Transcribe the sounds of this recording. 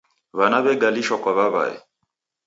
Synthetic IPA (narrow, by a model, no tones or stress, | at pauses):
βanaβɛɡaliʃɔkɔβaβa̰ɛ̰